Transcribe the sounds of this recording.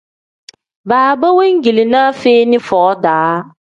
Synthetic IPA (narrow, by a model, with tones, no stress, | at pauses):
baː˨bə˦we˦ŋ˦ɡi˨li˨naː˦feː˦nɪ˦fɔː˨˦daː˨˦